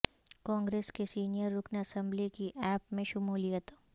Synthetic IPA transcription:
kãːŋɡɾeːskesiːnijəɾːʊkʰnɐsə̃mblikiʔɛːpmẽʃʊmuːlijət̪

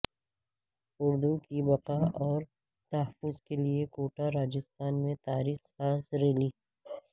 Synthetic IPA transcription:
ʊɾd̪ũkibɐqaɔːɾ | t̪ɐːəfʊzkeliekoːʈaɾaːd͡ʒɪst̪aːnmẽt̪aːɾiːxsaːsɾeliː

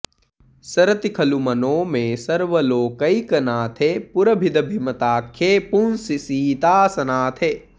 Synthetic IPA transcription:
sɐɾɐt̪ikʰɐlumɐnõːmẽsɐɾʋəloːkɐikɐnaːt̪ʰepuɾɐbʱid̪ɐbʱimɐt̪aːkʰːeːpunsisiːt̪aːsɐnaːt̪ʰe

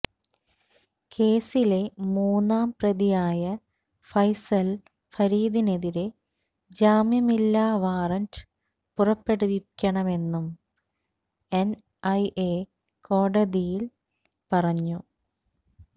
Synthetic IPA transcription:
kʰe̞ːsile̞muːnːaːmprɐðijaːjɐ | fɐjsɐl | fɐɾiːðine̞ðiɾe̞ | d͡ʑaːmjɐmilːaːʋaːrɐnt | purɐpːe̞ɽuikʲːɐɳɐme̞nːum | en | ɐjʔe | ko̞ːɽɐðijil | pɐrɐɲːu

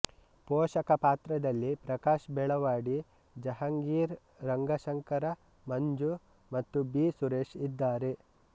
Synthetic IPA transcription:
poːʃɐkɐpaːt̪ɾɐd̪ɐlːipɾɐkaːʃbɛɭɐʋaːɽi | d͡ʒɐɦɐŋɡiːɾ | ɾɐŋɡɐʃɐŋkɐɾɐ | mɐɲd͡ʒu | mɐt̪ːubiːsuɾeːʃid̪ːaːɾe̞

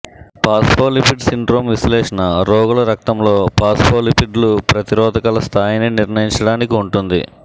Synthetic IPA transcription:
paːspoːlipiɖsiɳɖɾoːmʋislɛːʂɐnɐɾɔːɡulɐɾɐk̚t̪ɐmlo̞ːpaːspʰoːlipiɖlupɾɐt̪iɾɔːd̪ʱɐkɐlɐst̪ʰaːjɐniniɾɳɐjiɲt͡ʃɐɽaːnikiuɳʈund̪ḭ

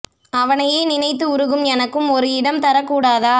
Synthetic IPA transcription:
ɐʋɐnɐjeːnɪnɐɪt̪̬ːɯʊɾɯɣɯmɛnɐkːɯmɔɾɯɪɽɐmt̪ɐɾɐkːuːɽaːðaː

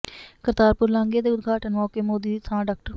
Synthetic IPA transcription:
kəɾt̪aːɾpʊɾlãːŋɡeːd̪eːʊd̪ɡʱaːʈənmɔːkeːmoːd̪iːt̪ʰãːɖaːk̚ʈəɾ

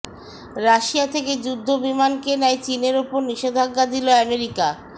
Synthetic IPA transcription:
ɾaʃiat̪ʰeked͡ʑud̪ʱːobimankenɛet͡ɕineɾupoɾniʃed̪ʱaɡːad̪iloɛmeɾika

